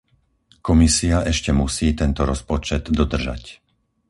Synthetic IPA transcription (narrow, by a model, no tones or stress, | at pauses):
kɔmisiaʔɛʃcɛmusiːt̪ɛnt̪ɔɾɔspɔt͡ʃɛd̪ːɔd̪r̩ʒa̰c